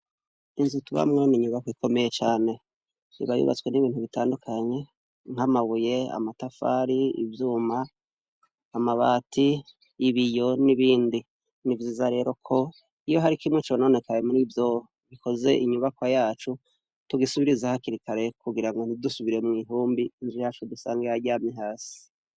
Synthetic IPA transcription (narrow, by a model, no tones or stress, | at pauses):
inzutuβa̰mŋeniɲuβakwikʰo̞me̞jet͡ʃaːne̞ | ḭβajṵβa̰t͡swe̞niβiːnhuβitaːndukʰaɲe̞ | ŋ̥amaβuje̞a̰matafa̰ɾiḭvjuːmaː | maβaːtʰiː | βijo̞niβiːndi | nivjiːzaɾe̞ːɾo̞kʰo̞ | ijo̞ɦaɾikimŋet͡ʃono̞ne̞kajemuɾivjo | βikʰo̞ze̞̰ʔiɲuβakwajaːt͡ʃu | tuɡisuβiɾizahakiɾikaɾe̞kuɡiɾaŋɡo̞n̥idusuβiɾe̞mŋiːɦuːmbinzijaːt͡ʃudusaːŋɡeaɾɟaːmɲiɦaːsii̥